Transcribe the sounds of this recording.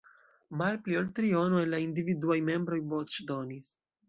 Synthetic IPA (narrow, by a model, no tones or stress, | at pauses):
malpliolt̪ɾio̞noelaind̪ividuajme̞mbɾo̞jbot͡ʃd̪o̞nis